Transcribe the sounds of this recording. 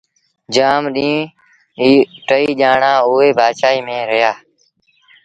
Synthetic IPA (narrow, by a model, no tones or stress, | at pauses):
d͡ʒaːmɗĩː | iːʈəiːʄaːɳãːʊːeːbʱaːʃaːiːmẽːɾɪjaː